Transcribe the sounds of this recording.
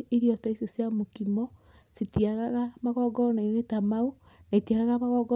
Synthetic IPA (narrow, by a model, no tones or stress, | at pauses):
eɾiɔtaisosjamokimɔ | setiaɣaɣamaɣɔɡɔnainetamau | naetiaɣaɣamaɣɔɡɔ